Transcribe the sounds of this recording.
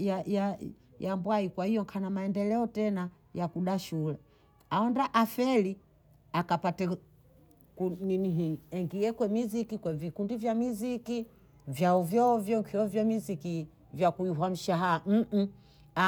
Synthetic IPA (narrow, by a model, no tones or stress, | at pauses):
jaja | jambwaikwahijɔŋkʰanamaɛndɛlɛɔtɛna | jakuɗaʃulɛ | aɔndaʔafɛli | akapatɛ | kuniniɦiɛŋɡiɛkwɛmizikikwɛvikundivjamiziki | vjauvjɔvjɔŋkʰiɔvjɔmiziki | vjakuiɦwam̩ʃaɦam̩ | a